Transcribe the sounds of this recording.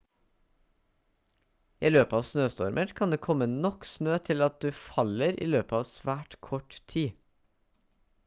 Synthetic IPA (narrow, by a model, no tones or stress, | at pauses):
iːløːpəɑːʋsnøːst̪ɔɾmʔəɾkʰɑnd̪eːkʰɔmənɔksnøːt̪ʰɪlɑt̪̚d̪ʉːfɑləɾḭːløːpəɑːʋsʋæːʈkʰɔʈt̪ʰiː